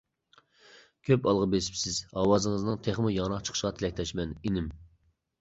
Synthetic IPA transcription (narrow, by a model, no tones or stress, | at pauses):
kʲʰøpɑlˠʁɑbesɪ̥psɪzɑːwɑzɨŋəznɨŋt̪ʰeχmɨjɑɾɑqt͡ʃʰə̥ə̥ʃʁɑt̪ʰɪlɛk̚ʲt̪ʰɛʃmɛninɪm